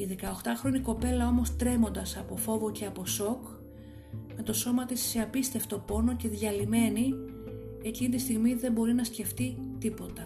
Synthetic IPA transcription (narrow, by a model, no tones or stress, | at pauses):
iðe̞kɐoxt̪ɐxɾo̞niko̞pe̞lɐo̞mo̞st̪ɾe̞mo̞nd̪ɐsɐpo̞fo̞vo̞ceɐpo̞so̞k | me̞t̪o̞so̞mɐt̪isːeɐpist̪e̞ft̪o̞po̞no̞ce̞ðʝɐlime̞ni | e̞cinit̪ist̪iɣmiðe̞mbo̞ɾinɐsce̞ft̪it̪ipo̞t̪ɐ